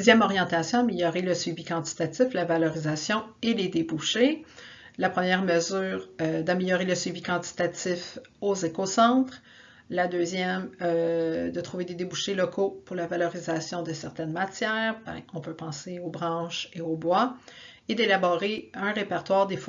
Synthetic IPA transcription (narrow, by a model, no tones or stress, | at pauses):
zjɛmɔʁjɑ̃t̪asjɔ̃ameljɔʁeləsɥivikɑ̃t̪i̥t̪at̪ɪflavalɔʁizasjɔ̃eled̪ebuʃe | lapχəmjɛːʁməzyːʁød̪ameljɔʁeləsɥivikɑ̃t̪i̥t̪at̪ɪf | ozekosɑ̃ːt̪χ | lad̪øːzjɛmød̪ət̪χuved̪ed̪ebuʃelɔkʰopʊʁlavalɔʁizasjɔ̃d̪əsɛʁt̪ɛnmat͡sjɛːʁbɛ̰̃ɔ̃pøpɑ̃seobʁɑ̃ːʃeobwa | ed̪elabɔʁeœ̃ʁepɛʁt̪waːʁd̪ef